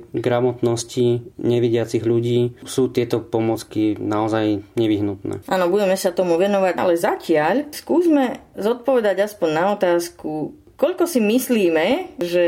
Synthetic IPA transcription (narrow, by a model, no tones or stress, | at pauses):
ɡɾamɔt̪nɔsciɲɛʋiɟɪat͡siɣʎuɟiːsuːt̪ɪɛt̪ɔpɔmɔt͡skinaɔzajɲɛʋiɦnut̪nɛ̰ːʔaːnɔbuɟɛmɛsat̪ɔmuʋɛnɔʋaɟa̰lɛzacɪaʎskuːzmɛzɔt̪̚pɔʋɛd̪aɟaspɔɲnaɔt̪aːsku | kɔʎkɔsimisliːmɛʒɛ